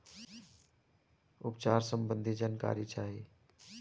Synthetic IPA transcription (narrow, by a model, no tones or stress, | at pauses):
ʊpt͡ʃaːɾsəmbənd̪ʱid͡ʒaːnka̰ːɾit͡ʃaːɦi